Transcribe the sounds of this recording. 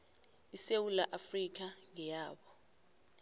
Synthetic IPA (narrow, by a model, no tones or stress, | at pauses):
isewulaʔafrik̬aŋɛjaːɓɔ